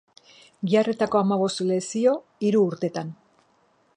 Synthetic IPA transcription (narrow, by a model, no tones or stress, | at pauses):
ɡiare̞t̪ako̞amaβ̞o̞st̪le̞sio̞ | iɾuːɾt̪e̞t̪an